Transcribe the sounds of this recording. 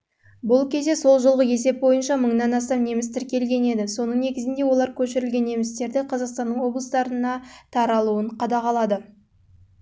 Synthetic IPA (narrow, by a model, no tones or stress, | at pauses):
bʊlˠkʲʰe̞zd̪e̞so̞lˠʒəlˠʁəje̞se̞p̚bo̞jənʃɑməɴnɑnɑs̬t̪ɑmne̞mɪst̪ʰɪɾkʲe̞lɡʲe̞ne̞d̪ɪso̞nəɴne̞ɡʲɪzɪnd̪e̞wo̞lˠɑɾkʲʰɵʃɪɾɪlɡʲe̞nːe̞mɪst̪e̞ɾd̪ɪqʰɑzɑqst̪ɑnd̪əɴwo̞blˠəst̪ɑɾənɑt̪ʰɑɾɑlˠuəɴqʰɑd̪ɑqɑlˠɑd̪ə